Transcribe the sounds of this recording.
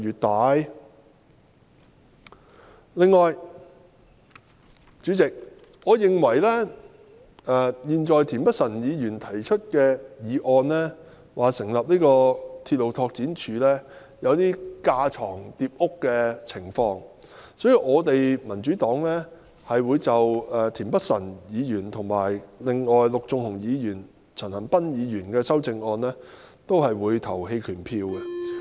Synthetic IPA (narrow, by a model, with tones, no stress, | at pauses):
yː˨˩t̚t̪aː˨j | lɪ˨ŋːɔː˨j | t͡ʃyː˨˥t͡sɪ˨k̚ | ɔː˨˧jɪ˨ŋwɐ˨˩jlɛː˥ | ɛː˨jiː˨nt͡ʃɔː˨jt̪ʰiː˨˩npɐ˥t̚sɐ˨˩njiː˨˧jyː˨˩nt̪ʰɐ˨˩jt͡ʃʰɵ˥t̚kɛː˧jiː˨˧ʔɔː˧nlɛː˥ | waː˨˩sɪ˨˩ŋlɐ˨p̚niː˥kɔː˧t̪ʰi˧t̚lo˨wt̪ʰɔː˧k̚t͡siː˨˥nt͡ʃʰyː˨˧lɛː˥ | jɐ˨˧wt̪iː˥kaː˧t͡sʰɔː˨˩ŋt̪iː˧p̚ʊ˥kːɛː˧t͡sʰɪ˨˩ŋfɔː˧ŋ | sɔː˨˥jiː˧wʔɔː˨˧t̪e˨jmɐ˨˩nt͡ʃyː˨˥t̪ɔː˨˥ŋlɛː˥ | hɐ˨jwuː˨˧jt͡sɐ˨wɛː˨t̪ʰiː˨˩npɐ˥t̚sɐ˨˩njiː˨˧jyː˨˩nt̪ʰʊ˨˩ŋmaː˨˩jlɪ˨ŋːɔː˨jlʊ˨k̚t͡sʊ˨˧ŋhʊ˨˩ŋjiː˨˧jyː˨˩n | t͡sʰɐ˨˩nhɐ˨˩npɐ˥njiː˨˧jyː˨˩nkɛː˧sɐ˥wt͡sɪ˧ŋɔː˧nlɛː˥t̪o˥wɦɐ˨jwuː˨˧jt̪ʰɐ˨˩whe˧jkʰyː˨˩npʰiː˧wɛ˧